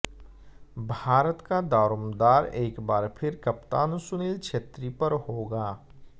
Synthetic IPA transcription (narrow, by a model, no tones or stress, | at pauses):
bʱaːɾət̪kad̪aːɾʊmd̪aːɾeːkbaːɾpʰɪɾkɐpt̪aːnsʊniːlkʃʰeːt̪ɾipəɾhoːɡaː